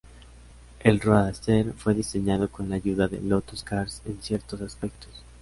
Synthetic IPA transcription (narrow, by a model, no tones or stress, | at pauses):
e̞lroaðast̪e̞ɾfwe̞ðise̞ɲað̞o̞ko̞nlaːʝuðaðḛlo̞t̪oskaɾse̞nsje̞ɾt̪o̞saspe̞k̚t̪os